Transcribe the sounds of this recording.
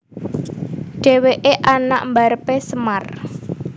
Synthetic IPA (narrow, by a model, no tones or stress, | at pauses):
ɖ̥e̤weʔeʔana̰ʔmbaɾəpesəmar